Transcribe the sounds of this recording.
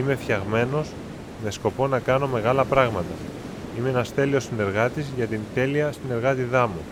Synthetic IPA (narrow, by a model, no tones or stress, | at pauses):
ime̞fçɐɣme̞no̞z | me̞sko̞po̞nɐkɐno̞me̞ɣɐlɐpɾɐɣmɐt̪ɐ | imeenɐst̪e̞lio̞sine̞ɾɣɐt̪izʝɐt̪int̪e̞liɐsine̞ɾɣɐt̪iðɐmu